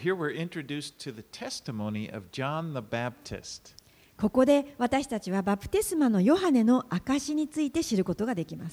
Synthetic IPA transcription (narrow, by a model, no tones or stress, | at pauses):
ɦiɹwɪɹʔɪ̃nt͡ʃɹ̥ɨdʉstʰɨðɨtʰɛstɨmõʊ̃niʔʌ̰vd͡ʒɑ̃nðəbæp̚tʰɨ̰st | ko̞ko̞d̪e̞β̞at̪aɕi̥t̪at͡ɕiβ̞abapɯ̟̥t̪e̞sɨmano̞jo̞ɦane̞no̞ʔakaɕiɲ̟it͡sɨit̪e̞ɕiɾɯ̟ko̞t̪o̞ɡad̪e̞kʲimasɨ̥